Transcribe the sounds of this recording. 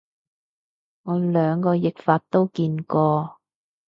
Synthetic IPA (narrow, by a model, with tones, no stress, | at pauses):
ŋɔː˨˧lœː˨˧ŋkɔː˧jɪ˨k̚faː˧t̚t̪o˥wkiː˧nkɔː˧